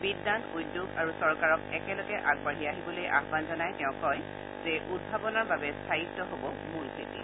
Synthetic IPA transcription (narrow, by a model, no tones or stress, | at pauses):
bidːanujdjuɡaɹusɔɹkaɹɔkɛkɛlɔɡɛʔaɡbaɦiaɦibɔlojʔa̰xbanzɔnajtɛʊ̃kɔj | zɛʔud̚bʱabɔnaɹbabɛstʰaɦitːɔɦobɔ | mulkʰetḭ